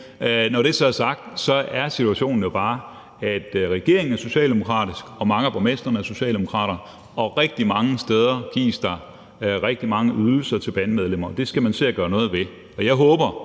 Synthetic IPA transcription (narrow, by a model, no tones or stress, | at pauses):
nɒɾ̥esɒæsɑ̈ɡ̥̚d̥sɒ̽ʔæɐsit͡sʰuæɕo̝̰ːn̩jo̝b̥ɑ̈ː | æd̥ʁɛɡ̥e̝̰ɐ̰eŋn̩æɐso̝ɕɛ̰ːld̥emo̝kʰʁɑ̰̈ːd̥isɡ̥ɒ̽mɑ̈ŋəb̥ʰʁɒmesd̥ʁɐnəæɐso̝ɕɛ̰ːld̥emo̝kʰʁɑ̰̈ːɾ̥ɐ | ɒ̽ʁɛɡ̥̚d̥imɑ̈ŋəsd̥eð̞ˠɐɡ̥ḭːsd̥ɑ̈ | ʁɛɡ̥̚d̥imɑ̈ŋəʔyðˠl̩sɐt͡sʰe̝lb̥ænəmeð̞ˠlem̰ɐɒd̥e̝sɡ̥æmænse̝̰ɐɡ̥ɶːɐnɔ̽ːð̞̩ˠʋe̝ | ɒ̽jɑ̈ɪɦɔːb̥ɐ